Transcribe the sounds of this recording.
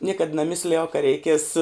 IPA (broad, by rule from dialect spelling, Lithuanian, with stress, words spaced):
ˈnʲiɛkɐt nɐˈmʲɪsʲlʲɪjɛʊ kɐ rʲɛɪˈkʲiɛs